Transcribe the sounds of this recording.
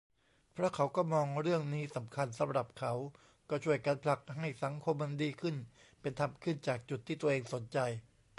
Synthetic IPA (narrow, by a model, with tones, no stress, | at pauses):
pʰɾa˦˥kʰa˩˦wkɔː˥˩mɔː˧ŋɾɯ˥˩əŋniː˦˥sa˩˦mkʰa˧nsa˨˦mɾa˨˩p̚kʰa˩˦w | kɔː˥˩t͡ɕʰu˥˩əjkaː˧npʰla˨˧˩k̚ɦa˥˩jsa˩˦ŋkʰo˧mːa˧ndiː˧kʰɯ˥˩n | pe˧nt̪ʰa˧mkʰɯ˥˩nt͡ɕaː˨˩k̚t͡ɕu˨˩t̪ʰːiː˥˩t̪u˧ɐʔeː˧ŋso˩˦nt͡ɕa˧j